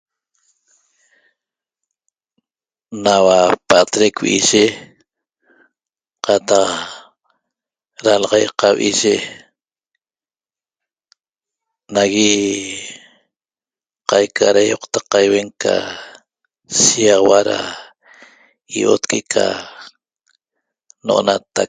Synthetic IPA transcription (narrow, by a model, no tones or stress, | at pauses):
nawapat̪ɾekwʔiʒe | qɑt̪ɑq | ɾalʁɑjqawʔiʒe | naɣi | qajkʰaɾajoqt̪aqːɑjweŋkʰa̰ | siɑʁɑwaɾa̰ | iʔo̰t̪kʰekʰa̰ | noʔonat̪ak̚